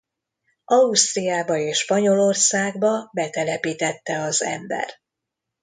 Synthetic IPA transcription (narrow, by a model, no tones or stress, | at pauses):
ʔɒust̪rijaːbɒeːʃʃpɒɲo̞lo̞rsaːɡbɒbɛt̪ɛlɛpiːt̪ɛt̪ːɛɒzɛ̰mbɛ̰r